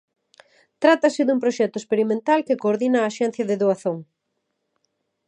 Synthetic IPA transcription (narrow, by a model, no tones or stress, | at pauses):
t̪ɾat̪ɐsɪðumpɾoʃɛt̪ʊespeɾimẽnt̪alkekoːɾðinɐːʃɛn̟θjɐðeðoaθoŋ